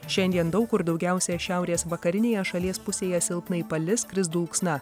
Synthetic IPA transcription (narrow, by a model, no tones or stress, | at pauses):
ʃʲɛnʲd̪ʲiɛnd̪ɒʊkʊɾd̪ɒʊɡʲæˑʊsʲɛːʃʲæˑʊɾʲeːsʋɐkɐɾʲɪnʲeːjɛʃɐlʲiɛspʊsʲeːjɛsʲɪlˠpnɐipɐlʲɪskɾʲɪzd̪uːlˠksnɐ